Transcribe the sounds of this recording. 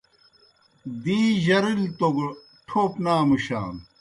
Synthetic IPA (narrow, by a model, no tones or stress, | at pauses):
d̪iːʑɐɾilt̪oɡ | ʈʰoːpnaːmuɕa̰ːm